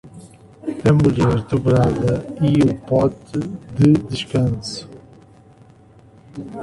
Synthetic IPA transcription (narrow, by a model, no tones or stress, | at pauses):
ɐmuʎɛɾd̪uβɾaðɐiupɔt̪ɨðɨd̪ɨʃkɐ̃nsu̥